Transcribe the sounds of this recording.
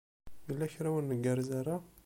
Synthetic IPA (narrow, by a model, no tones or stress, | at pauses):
əlːæçɾawənːəɡaɾˤzaɾˤa